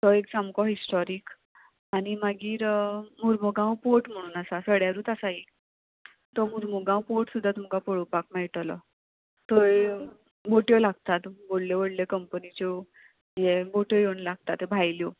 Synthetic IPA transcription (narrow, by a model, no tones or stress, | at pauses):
t̪ɔek̚samkɔɦisʈɔɾiːk | añimaɡiːɾmuɾmuɡãwpoʈm̤əɽ̃uːnasasəɽjaɾũːt̪asai | t̪ɔmuɾmuɡãwpoʈsud̪ʱːat̪um̤kapɔɽopakmɛɭʈlɔ̰ | t̪ɔe | boʈjɔlaɡ̚t̪at̪bolleʋəɽljekəmpənit͡ɕɔ | jeboʈjɔjewnlaɡ̚t̪at̪ebʱajljɔ